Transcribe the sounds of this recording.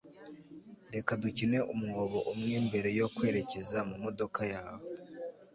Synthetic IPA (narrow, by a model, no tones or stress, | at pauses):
nde̞kaducine̞ʔumuɡoβo̞ʔumŋiːmbe̞ɾe̞jo̞kwe̞ːɾe̞ce̞zamumo̞do̞kajaːwo